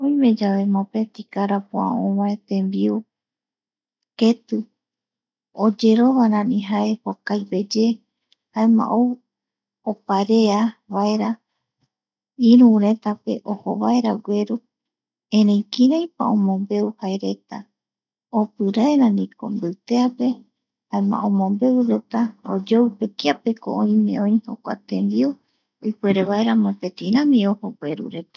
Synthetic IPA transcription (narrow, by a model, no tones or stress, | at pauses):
õĩmẽ̞d͡ʒaβe̞mopet̪ikaɾapoã̰õβaet̪ẽ̞mbiu | ket̪u | od͡ʒe̞ɾo̞βaɾãnĩɦae̞pokajbe̞d͡ʒe̞ | haemã̰ʔow | opaɾe̞aβaeɾa | iɾũɾe̞t̪ape̞̰ʔoho̰βaeɾaɡʷe̞ɾu | ẽɾẽjkiɾãjpa̰õmõ̞mbe̞uhaeɾe̞t̪a | opɨɾaeɾãnĩko̰mbɨt̪eape̞ | haemã̰ʔõmõ̞mbe̞wɾe̞t̪aod͡ʒowpekiape̞ko̰ʔõĩmẽ̞õj̃ho̞kʷa̰t̪end̪iu | ojkʷe̞ɾeβaeɾamãpet̪ĩɾãmĩohoɡʷeɾṵɾe̞t̪ḁ